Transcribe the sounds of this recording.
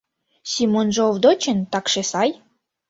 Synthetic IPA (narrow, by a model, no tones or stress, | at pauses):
sʲimonʒovd̪ot͡ɕənt̪ɑkʃesɑj